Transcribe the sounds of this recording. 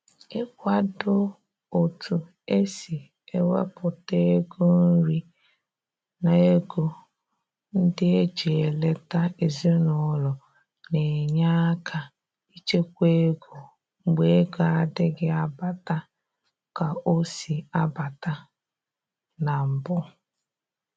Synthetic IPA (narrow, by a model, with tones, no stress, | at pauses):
ɪ˦kʷa˨dʊ˦ | o˨tu˨ | e˦si˨ | e˦wḛ˦pʊ˨te˦e˦ɡo˦n̩˦ɾi˦ | na˨e˦ɡo˦ | n̩˦dɪ˦e˦d͡ʒe˨e˨le˦ta˦e˨zi˦nʊ˨˦lɔ˨ | ne˨ɲa˦kʰa˨ | i˦t͡ʃe˦kʷe˦ɡu˨ | ŋ͡m̩˨ɡ͡be˦e˦ɡa˨a˦dɪ˦ɡɪ˦a˨ba˨ta˦ | ka˨o˦si˨a˦ba˨ta˦ | na˨m̩˨bʊ˦